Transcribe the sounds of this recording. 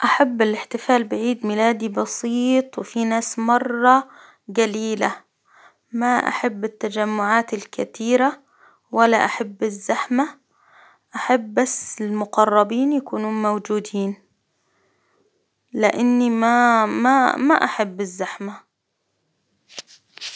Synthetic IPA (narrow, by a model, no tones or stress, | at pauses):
ʔaħabːɪlɪħt̪ɪfaːlbɪʕiːd̪mɪlaːd̪ibɑsiːt̪ˤwɪfinaːsmɑrˤːɑ | ɡaliːla | maʔa̰ħabːɪt̪ːad͡ʒamːʊʕaːt̪ɪlkat̪iːɾa | walːaʔaħabːɪzːaħma | ʔaħabːasːɪlmʊqɑrˤːɑbiːnjakuːnuːnmawd͡ʒuːd̪iːn | lɪʔanːimamama̰ʔaħabːɪzːaħma